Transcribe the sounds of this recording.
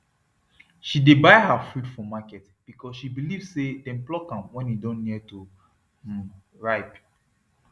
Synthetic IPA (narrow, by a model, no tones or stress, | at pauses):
ʃidebaɪɦafudfɔmakɛt | b̥ikɔsʃibilivsedɛ̃nplɔkãmwɛ̃njidɔ̃nniɛtu | ɹaɪp